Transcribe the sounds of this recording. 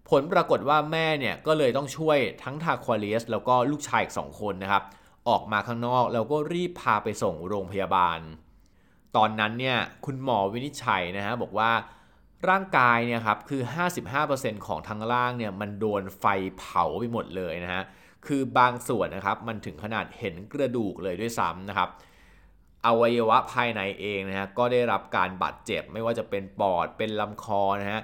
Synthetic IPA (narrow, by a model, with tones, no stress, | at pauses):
pʰo˩˦npɾaː˧ko˨˩t̪̚waː˥˩mɛː˥˩ni˥˩ɐkɔː˥˩lɤː˧jt̪ɔ˥˩ŋt͡ɕʰu˥˩əjt̪ʰa˦˥ŋt̪ʰaː˧kʰwaː˧li˦˥slɛː˦˥wkɔː˥˩luː˥˩k̚t͡ɕʰaː˧jʔi˨k̚sɔ̰ː˩˦ŋkʰo˧nːa˦˥kʰa˦˥p̚ | ʔɔː˨˩k̚maː˧kʰaː˦˥ŋnɔː˥˩k̚lɛː˦˥wkɔː˥˩ɾiː˥˩pʰːaː˧pa˧jso˨˩ŋɾoː˧ŋpʰa˧jaː˧ba̰ː˧n | t̪ɔː˧nːa˦˥nːi˥˩ɐkʰu˧nmɔː˨˧wi˦˥ni˦˥t̪̚t͡ɕʰa̰˩˦jna˦˥kʰa˦˥bɔː˨˩k̚waː˥˩ | ɾaː˥˩ŋkaː˧jni˥˩ɐkʰa˦˥p̚kʰɯː˧ɦaː˥˩si˨˩p̚ɦaː˥˩pɤː˧se˧nkʰɔ̰ː˩˦ŋt̪ʰaː˧ŋɾaː˥˩ŋni˥˩ɐma˧ndoː˧nfa˧jpʰa˩˦wpa˧jmo˨˩t̪̚lɤː˧jna˦˥ha˦˥ʔ | kʰɯː˧baː˧ŋsu˨˩ənːa˦˥kʰa˦˥p̚ma˧nt̪ʰɯ˩˦ŋkʰa˧na̰ː˨˩t̪̚he˩˦nkɾa˧duː˨˩k̚lɤː˧jdu˥˩əjsa̰˦˥mna˦˥kʰa˦˥p̚ | ʔa˧wa˧jːa˧wa˦˥pʰaː˧jna˨˩˦jʔeː˧ŋn˦˥ha˦˥kɔː˥˩da˥˩jɾa˦˥p̚ka̰ː˧nba̰ː˨˩t̪̚t͡ɕe˨˩p̚ma˥˩jwaː˥˩t͡ɕa˨˩pe˧npɔː˨˩t̪̚pe˧nla˧mkʰɔː˧na˦˥ha˦˥ʔ